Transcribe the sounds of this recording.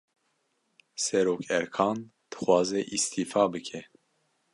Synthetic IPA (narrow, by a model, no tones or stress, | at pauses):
sɛɾoːkʰɛɾkʰɑːnd̪̥ɨ̥xwɑːzɛʔist̪ʰiːfɑːbɨkʰɛ